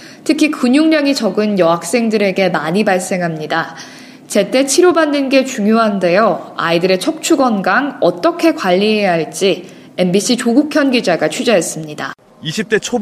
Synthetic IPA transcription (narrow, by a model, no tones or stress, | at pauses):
tʰɯkʰikuɲuŋɲaŋit͡ɕʌɡɯnjʌɦak̚s͈e̞ŋdɯɾe̞ɡe̞maɲibaɭs͈e̞ŋɦamɲida | t͡ɕe̞t͈e̞t͡ɕʰiɾobanːɯnɡe̞t͡ɕuŋjoɦande̞joa̰idɯɾe̞t͡ɕʰʌk̚t͡ɕʰuɡʌnɡaŋʌt͈ʌkʰe̞kwaʎːiɦe̞jaɦaɭt͡ɕ͈i | e̞mbiɕ͈ʰit͡ɕoɡukʰjʌnɡid͡ʑaɡat͡ɕʰid͡ʑaɦe̞s͈ɯmɲida̰ | iɕʰip̚t͈et͡ɕʰo